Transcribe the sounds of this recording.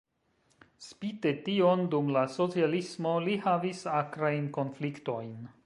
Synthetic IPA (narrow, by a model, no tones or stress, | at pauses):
spite̞tiondumlaso̞t͡sialismo̞lihavisakɾajnko̞nflikto̞jn